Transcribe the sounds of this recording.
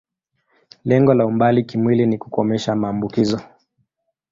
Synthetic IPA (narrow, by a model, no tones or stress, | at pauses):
lɛŋɡɔlaumbalikimwiliniku̥kɔmɛʃamaːmbukizɔ